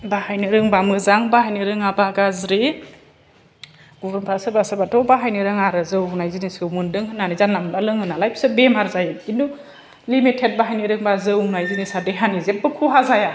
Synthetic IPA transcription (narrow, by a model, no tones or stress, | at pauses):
bahajniɾɯŋbamɯzaŋbahajniɾɯŋabaɡazɾi | ɡ̥ubɯnpʰasɯbasɯbatʰɔbaɦajniɾɯŋaɾɯzɯwnajzinisɯwmɯndɯŋɦɯnːanizanːamlalɯŋɯnalajpsɯbemaɾzajɡindu | limitʰet̚baɦajniɾɯŋbazɯwnajzinisadeɦanizep̚ːɯkʰuɦazaja